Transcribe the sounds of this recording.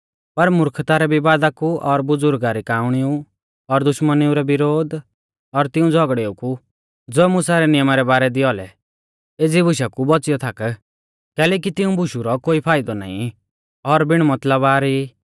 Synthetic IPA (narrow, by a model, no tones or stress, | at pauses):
pɐɾmʊɾkʰt̪aɾɛbʱibaːd̪akuʔɔɾbʊd͡zʊɾɡɡaɾikaːʊɽ̃iu | ɔɾd̪ʊʃməniuɾɛbɪɾoːd̪ | ɔɾt̪ɪũd͡zʱɔɡɽeːuku | d͡zoːɛmʊsaɾɛnɪjəmaɾɛbaːɾɛd̪iɔlɛ̰ | ed͡zibʱʊʃakubɔt͡sɪjɔt̪ʰak | kɛːlɛːk̬it̪ɪũbʱʊʃuɾɔkoːipʰaːɪd̪ɔna̰ːḭ̃ | ɔɾbɪɽ̃mɐt̪ləbaːɾi